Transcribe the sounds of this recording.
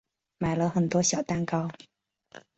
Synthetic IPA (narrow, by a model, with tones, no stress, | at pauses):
ma˨˩ɪlə˧˦xə˨˩nt̪wɔ˥ɕjɑ˨˩ʊt̪a˥nkɑ˥ʊ